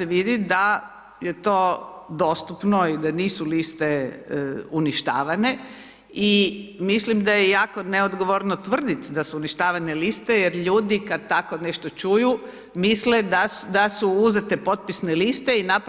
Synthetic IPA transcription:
eʋid̪id̪a | je̞t̪o̞ːd̪o̞st̪upnoid̪aniːsulist̪e | uniʃt̪a̰ːʋane̞ | imislimd̪ajejaːko̞neod̪ɡo̞ʋoɾnot̪ʋr̩d̪it̪d̪asuuniʃt̪aːʋane̞list̪e̞jeɾʎuːd̪ikad̪̚t̪akoneʃt̪ot͡ʃuju | misled̪ad̪asuuze̞t̪epo̞t̪̚pisnelist̪e̞inap

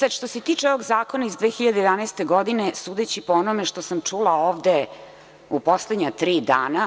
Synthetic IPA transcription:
sad̪ʂt̪o̞set̪iːt͡ʂeo̞ʋo̞ɡzaːkonaizd̪ʋeːxiʎad̪ejd̪anajst̪e̞ɡo̞d̪inesuːd̪et͡ɕipoonomeʂt̪o̞samt͡ʂulaoːʋd̪e | upo̞sled̪ɲat̪ɾiːd̪aːna

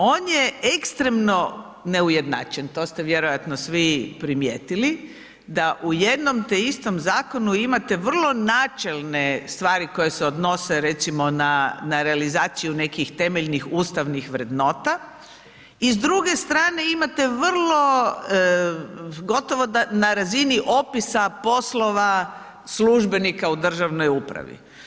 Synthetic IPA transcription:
o̞ːnjeekst̪ɾe̞mno̞ | neuje̞d̪na̰ːt͡ʃent̪o̞st̪eʋjeɾo̞jat̪nosʋipɾimjḛt̪ili | d̪aʔujed̪no̞mt̪eist̪o̞mzaːko̞nuimat̪e̞ʋr̩lˠo̞naːt͡ʃe̞lˠne̞st̪ʋaːɾiko̞jeseod̪no̞se̞ɾe̞t̪simo̞nanaɾealizaːt̪sijune̞kixt̪e̞me̞ʎnixuːst̪aʋnixʋɾe̞d̪no̞ːt̪a | izd̪ɾuɡe̞st̪ɾaːne̞imat̪e̞ʋr̩lˠo̞ | ɡo̞t̪o̞ʋo̞d̪anaɾaziniʔo̞pisapo̞slo̞ʋa | sluʒbe̞nikaud̪r̩ʒaʋno̞jupɾa̰ʋḭ

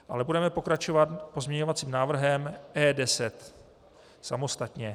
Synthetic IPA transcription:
ʔalɛbudɛmɛpo̞kɾat͡ʃo̞vat̪po̞zmɲɛɲo̞vat͡siːmnaːvr̩ɦɛmʔɛːdɛsɛt̪ | samo̞st̪at̪ɲɛ

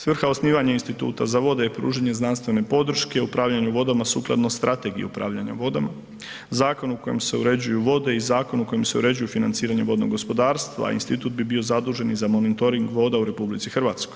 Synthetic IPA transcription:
sʋr̩xaosniːʋaɲainst̪it̪ṵːt̪azaʋo̞d̪ejepɾṵːʒeɲe̞znanst̪ʋe̞ne̞po̞d̪r̩ʃkeupɾaːʋʎaɲuʋo̞d̪amasṵːklˠa̰d̪nost̪ɾʔat̪e̞ɡijeupɾa̰ːʋʎaɲa̰od̪ | zaːko̞nuko̞jemse̞uɾe̞d͡ʑujuʋo̞d̪e̞izaːko̞nuko̞jemse̞uɾe̞d͡ʑujufinant̪siːɾaɲe̞ʋo̞d̪no̰ɡo̞spo̞d̪aːɾst̪ʋa̰ḭnst̪it̪ut̪̚bibiozad̪uːʒe̞nizamo̞nit̪o̞ɾiŋɡʋo̞d̪auɾe̞publit̪sixr̩ʋaːt̪sko̞j

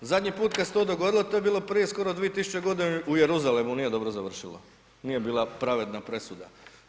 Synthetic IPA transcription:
zad̪ʲɲipuːt̪kast̪od̪o̞ɡo̞d̪ilˠot̪oːjebiːlˠo̞pɾije̞sko̞ɾod̪ʋijet̪isu̥t͡ɕeɡo̞d̪inuje̞ɾuzalemunije̞d̪o̞bɾozaʋr̩ʃilo | nije̞biːlˠapɾaʋe̞d̪napɾe̞sud̪a̰

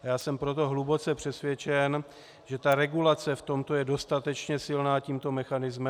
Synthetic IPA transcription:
jaːsɛmpɾo̞t̪̬o̞ɦlubo̞t͡sɛpr̥ɛsvjɛt͡ʃɛn | ʒɛt̪aɾɛɡulat͡sɛft̪o̞mt̪o̞jɛdo̞st̪at̪ɛt͡ʃɲɛsɪlnaːciːmt̪o̞mɛxanɪzmɛ

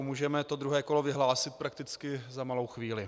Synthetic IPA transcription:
muːʒɛmɛt̪od̪ɾuɦɛːko̞lovɪɦlaːsɪt̪̚pɾak̚t̪ɪt͡skɪzamalo̞wxviːlɪ

